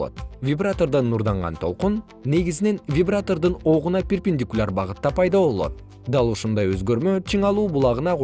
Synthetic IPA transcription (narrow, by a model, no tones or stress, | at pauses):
o̰t̪vʲibrat̪o̞rd̪ɑnːuɾd̪ɑɴʁɑ̰nt̪ʰolˠqunː | e̞ɡizɪne̞nvʲibrat̪o̞rd̪ɯno̞ʁunɑpʲerpʲɪnʲdʲikulʲarbɑʁɯt̪ːɑpʰɑjd̪ɑβo̞lˠo̞̰t̪̚ | d̪ɑlˠuʃund̪ɑjøzɡøɾmøt͡ʃʰiŋɑlˠuːbulˠɑʁɯnɑq